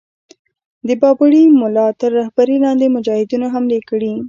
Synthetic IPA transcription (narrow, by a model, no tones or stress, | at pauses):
d̪əbɑbʊɽimʊlɑt̪əɾːahbaɾilɑnd̪emʊd͡ʒɑhɪd̪unoɦamlekɽi